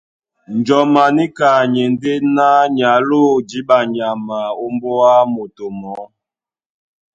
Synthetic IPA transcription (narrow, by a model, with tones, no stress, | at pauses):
n˨d͡ʒɔ˨ma˨ni˦ka˨ɲe˨nde˦na˦ɲa˨˦lo˦˨d͡ʒi˨˦ba˨ɲa˨ma˨o˦mbɔ˦a˦mo˨to˨mɔ˨˦